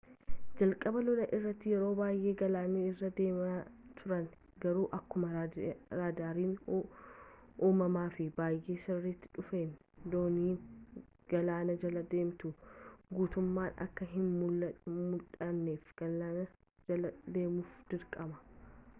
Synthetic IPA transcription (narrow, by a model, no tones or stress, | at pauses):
d͡ʒɐlkʼɐbɐlɔlɐʔɪrːɐt̪ːɪjɛɾo̞ːbaːjʔe̞ːɡɐlaːneːɪrːɐd̪eːmat̪ʰʊɾɐn | ɡɐɾuːʔɐkːʊmɐɾaːd̪aːɾiːn | ʔuːmɐmaːfɪbaːjʔe̞ːsɪrːit̪ːɪ̥ᶑʊfeːn | d̪oːniːn | ɡ̥ɐlaːnɐd͡ʒɐlɐd̪e̞ːmt̪ʊɡuːt̪ʊmːaːnɐ̰kːɐɦɪnmʊmʊlᶑʼɐnːeːfɡ̥ɐlaːnɐ | d͡ʒɐlɐd̪e̞ːmʊfd̪̥ɪɾkʼɐmɐ̥